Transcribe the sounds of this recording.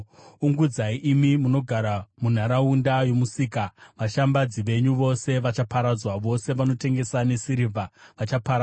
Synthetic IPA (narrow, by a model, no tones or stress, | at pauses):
uŋɡud͡zaiʔimimuno̞ɡʱaɾamun̤aɾaundajo̞musiːkaʋaʃambad͡ziʋe̞ɲuʋo̞se̞ʋat͡ʃapaɾad͡zwaʋo̞se̞ʋano̞te̞ŋɡe̞sane̞siɾivʱaʋat͡ʃapaɾa